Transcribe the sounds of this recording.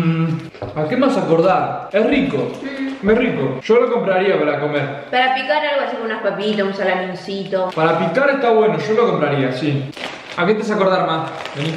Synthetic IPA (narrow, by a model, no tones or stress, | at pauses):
akemasako̞ɾðaɾesriko̰esrikoʃoloko̞mpɾaɾiapaɾako̞meɾpaɾapikaalɣoasikomunaspapit̪asunsalaminsit̪opaɾapikaɾeht̪aβwe̞noʃoloko̞mpɾaɾiasi | aket̪es̬ako̞ɾð̞aɾmase